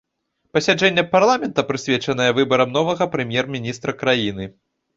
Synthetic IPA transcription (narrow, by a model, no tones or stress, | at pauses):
pɐsʲad͡ʐɛnʲːɐparlˠamʲɛnt̪ɐpɾɨsʲvʲɛt͡ʂɐn̪ɐjɐvɨbɐɾɐmnɔvɐɣɐpɾɛmʲjɛrmʲinʲist̪ɾɐkɾajinɨ